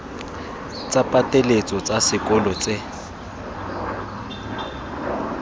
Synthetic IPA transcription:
t͡sʼapʼatʼelet͡sʼɔt͡sʼasɪkʼɔlɔt͡sʼɪ

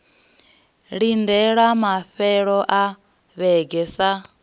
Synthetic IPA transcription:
ɺindɛɺamaɸɛɺɔʔa | βɛɡɛsa

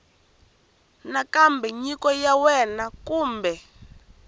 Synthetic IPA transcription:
nakambɛɲikʼɔjawɛnakʼuːmbɛ

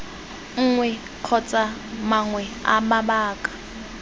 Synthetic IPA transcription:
ŋ̩ːŋwɛ | kʰɔt͡sʼamaŋwɛa̰maɓaːkʼḁ

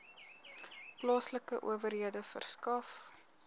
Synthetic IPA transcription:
plɑːsləkəʔṵəvərɦiədəfə̰rskɐf

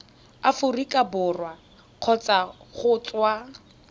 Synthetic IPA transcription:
afʊrikʼabʊrwa | q͡χʰɔt͡saχʊt͡swa

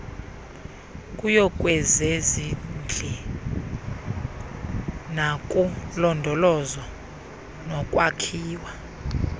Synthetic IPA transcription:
kʼujɔkʼwɛzezind͡ɮʱɛ | nakʼulɔndʱɔlɔzɔ | nɔkʼwakʰiːwa

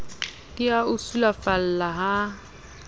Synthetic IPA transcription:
diaʊsulafal̩laɦa

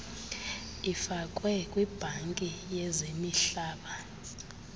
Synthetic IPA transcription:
ifakʼwɛkʼwib̥ʱaŋkʼijɛzemiɬaːɓa

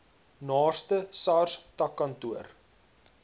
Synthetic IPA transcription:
nɑːstəsɑrstɐkːɐntuər

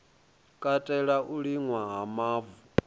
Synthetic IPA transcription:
kʼatʼɛɺaʔuɺiŋwaɦamaːvu

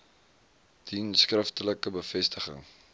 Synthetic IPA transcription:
d̥inskrəftələkəbəfɛstəχə̰ŋ

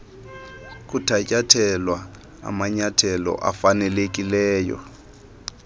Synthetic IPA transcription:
kʼutʰacʼatʰɛlwa | a̰maɲatʰɛlɔ̰ʔafanɛlekʼilɛːjɔ̰

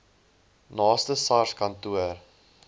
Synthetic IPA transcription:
nɑːstəsɐrskɐntuər

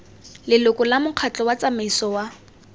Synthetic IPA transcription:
lɪlʊkɔlamʊq͡χʰat͡ɬʼɔwat͡sameisɔwa

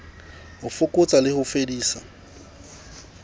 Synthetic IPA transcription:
hʊfʊkʼʊt͡sʼalɪhʊfediːsa

